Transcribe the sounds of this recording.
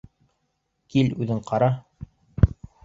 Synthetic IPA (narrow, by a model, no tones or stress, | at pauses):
kilʉðɘɴqʰɑɾɑ